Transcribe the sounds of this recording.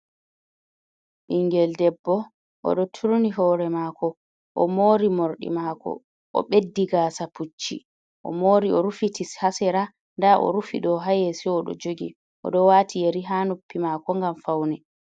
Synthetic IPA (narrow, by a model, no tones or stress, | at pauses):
ʔiŋɡɛldɛbːɔ | ʔɔ̰ɗɔtʰuɾniɦɔɾɛmakʰɔ | ʔɔmoːɾimoɾɗḭmakɔ̰ | ʔɔ̰ɓedːiɡaːsaput͡ʃːḭ | ʔɔ̰moːɾiɔɾufitʰishasɛɾa | ndaʔɔ̰ɾufḭɗɔɦajɛsɛɔɗɔ̰d͡ʒoɡḭ | ʔɔ̰ɗɔwatʰijeɾiɦanopːimaːkɔŋɡamfawnɛ